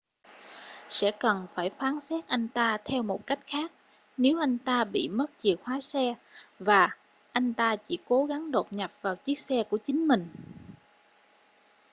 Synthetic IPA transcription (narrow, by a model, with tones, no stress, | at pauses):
sɛ̰˧˥kə˨˩nfaː˧˩jfaː˨˦nsɛ˦˥t̚ʔa˧jŋ̟t̪aː˧t̪ʰɛ˧wmo˨˩t̚ka˦˥jk̟̚xaː˦˥k̚ | ne˨˦wʔa˧jŋ̟t̪aː˧ɓḭ˧˨mə˦˥t̚t͡ɕi˨˩ək̚hwaː˨˦sɛ˧vaː˨˩ | ʔa˧jŋ̟t̪aː˧t͡ɕḭ˧˩ko˨˦ɣa˨˦ŋɗo˨˩p̚ɲa˨˩p̚vaː˨˩wt͡ɕi˦˥ək̚sɛ˧ku˧˩ət͡ɕï˨˦ŋ̟mï˨˩ŋ̟